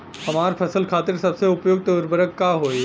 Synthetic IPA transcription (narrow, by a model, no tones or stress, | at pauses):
hɐmaːɾpʰɐsəlkʰaːt̪ɪɾsɐbseʊpjoːɡ̚t̪oɾbəɾəkːaːɦoːe